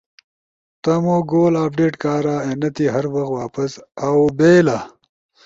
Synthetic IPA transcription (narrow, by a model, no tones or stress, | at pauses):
t̪ɐmoːɡoːlaːpɖeːʈkaːɾaːenɐt̪iɦɐɾwɐxt̪waːpɐsawbeːla